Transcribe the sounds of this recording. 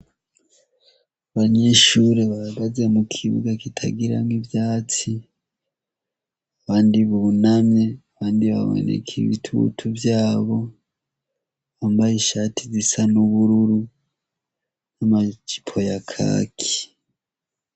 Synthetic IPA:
aβaɲe̞ʃuɾeβaaɡaze̞mukʰiβṵɡakitʰa̰ɡiɾaŋivjaːt͡si | aβaːndiβunamɲe̞aβaːndiβa̰wḛnḛkʰḭβḭtʰṵtʰuvjaːβo̞ | βambajiʃaːtʰizisanuβuɾuɾu | namat͡ʃi̥pʰo̞jakʰa̰ːkʰi̥

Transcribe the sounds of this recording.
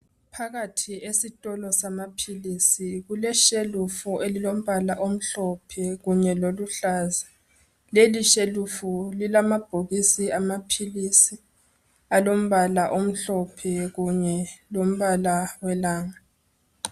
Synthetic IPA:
pʰaɣatʰiesitʼɔlɔsamapʰilisiɣulɛʃelufuʔelilom̩βalaʔom̩ɬɔpʰɛɣuɲɛloluɬaːza | leliʃelufulilamab̥ʱoɣisiamapʰilisi | alom̩βalaʔom̩ɬɔpʰɛɣuɲɛlom̩βalawɛlaːŋa

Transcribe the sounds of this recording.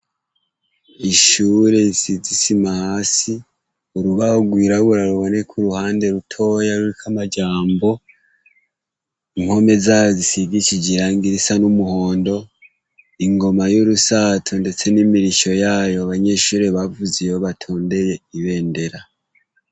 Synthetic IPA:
iʃuɾe̞isizisimahaːsi | uɾuβahoɡwiːɾaɡuɾaɾuβo̞ne̞kʰuɾuhaːnde̞ɾutʰo̞ːjaɾuɾikʰamad͡ʒaːmbo̞ | iŋho̞me̞zaːjozisiɡit͡ʃid͡ʒiɾaŋɡiɾisanumuho̞ːndo̞ | iŋɡo̞majuɾusaːtʰonde̞t͡se̞nimiɾiʃo̞jaːjo̞aβaɲe̞ʃuːɾeβavuzejoβatʰoːnde̞jeiβe̞ːnde̞ɾa

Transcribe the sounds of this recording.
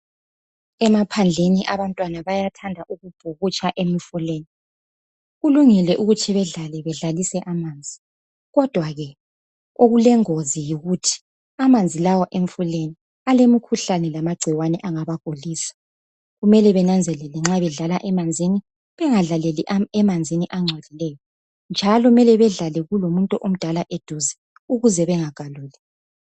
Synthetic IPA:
ɛmapʰand͡ɮʱeniʔaβantʼwanaβajatʰandʱaʔuɣub̥ʱuɣut͡ʃʼʰaʔemifuleːni | ɣuluŋilɛʔuɣut͡ʃʰiβɛɮalɛβɛɮalisɛʔamaːnd͡zʱi | ɣɔd̥ʱwaɣɛ | oɣulɛŋozijiɣutʰi̥ | amand͡zʱilawɔʔeɱ̩fuleni | alemikʰuɬanɛlamaɡ͡ǀʱiwanɛʔaŋaβaɡ̥ʱoliːsḁ | ɣumɛlɛβɛnand͡zʱɛlɛlɛŋ͡ǁaβɛɮalaʔɛmand͡zʱini | βɛŋaɮalɛliʔɛmand͡zʱiniʔaŋ͡ǀʱadilɛːjɔ | nd͡ʒʱalɔmɛlɛβɛɮalɛɣulomuntʼuʔom̩d̥ʱalaʔed̥ʱuzi̥ | uɣuzɛβɛŋaɡ̥ʱaluːlɛ

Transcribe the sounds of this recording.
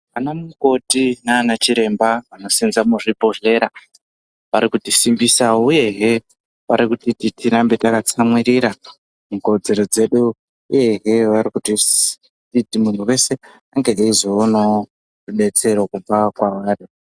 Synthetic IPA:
anamuko̞tinaːnat͡ʃiɾe̞mbaʋano̞sinzamuʐipo̞ɮe̞ɾa | ʋaɾikutisimbisaouje̞ɦe̞ | ʋaɾikutititiɾambe̞takat͡samwiɾiɾa | muko̞d͡ze̞ɾo̞d͡ze̞ɗu | uje̞ɦe̞ʋaɾikuti | titimun̤ʰuwe̞se̞ | aŋɡeeizoːno | rune̞t͡se̞ɾokumbakwaʋaːri

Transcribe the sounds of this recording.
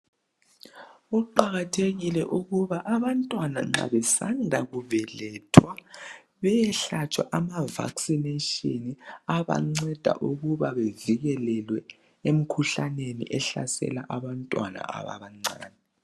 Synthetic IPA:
uǃaɣatʰeɣilɛʔuɣuβaʔaβantʼwana̰ŋ͡ǁa̰βɛsandʱaɣuvɛlɛtʰwa | βɛjɛɬat͡ʃʰʼwaʔamava̰ksineʃiniaβa̰ŋ͡ǀɛd̥ʱa̰ʔuɣuβaβeviɣɛlɛlwɛ | em̩kʰuɬanenḭʔɛɬa̰sɛ̰laʔaβantʼwana̰a̰βa̰βaŋ͡ǀaːnɛ

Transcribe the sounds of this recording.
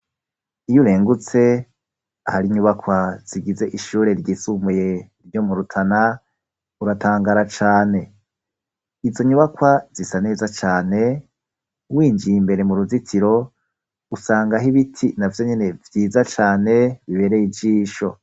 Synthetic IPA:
ijuɾe̞ːŋɡut͡se̞ | ahaɾiɲuβakwaz̥iɡize̞ʔiʃuːɾe̞ɾɟiːsumejeɾɟo̞muɾutʰana | uɾatʰaːŋɡaɾat͡ʃaːne̞ | izo̞ɲuβakwazisane̞ːzat͡ʃaːne̞ | wiːnd͡ʒijimbe̞ɾe̞muɾuzitʰiɾo̞ | usaːŋɡaɦiβitʰinavjo̞ɲe̞ne̞vjiːzat͡ʃaːne̞βiβe̞ɾejid͡ʒiːʃo̞̰

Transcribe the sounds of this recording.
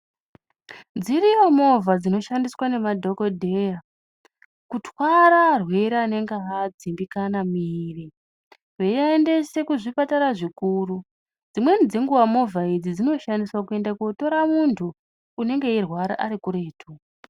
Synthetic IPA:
d͡zirijomo̞vad͡zino̞ʃandiswane̞madʱo̞ko̞dʱe̞ja | kutwaɾarwe̞ɾeane̞ŋɡeɦad͡zimbikanamiri | weaende̞se̞kuʐipataɾaʐikuɾu | d͡zimwe̞nid͡zeŋɡuwamo̞vʱaid͡zid͡zino̞ʃandiswakue̞ndakoto̞ɾamuntʰuː | ne̞ŋɡe̞irwaɾa̰ʔaɾikuɾe̞ːtʰu

